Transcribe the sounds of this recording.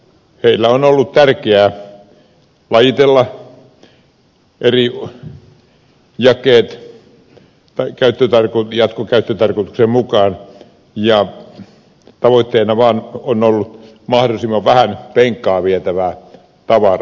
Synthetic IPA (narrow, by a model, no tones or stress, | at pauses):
heilːæonolːut̪t̪ærkeæː | lɑjit̪elːɑ | ʔeri | jɑkˑeːt̪ | ɑkæyt̪ːøt̪ɑrkojɑt̪kokæyt̪ːøt̪ɑrkot̪u̥ksemmukɑːn | jɑ | t̪ɑʋoit̪ːeːnɑʋɑːnonolːut̪ | mɑhdosimːɑʋʋæhænpeŋkːˑɑːʋiet̪æʋæː | t̪ɑʋɑrɑ